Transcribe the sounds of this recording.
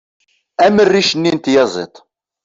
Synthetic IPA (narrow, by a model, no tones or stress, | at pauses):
æmərːiʃənːint̪jɑzˤḛt̪ˤ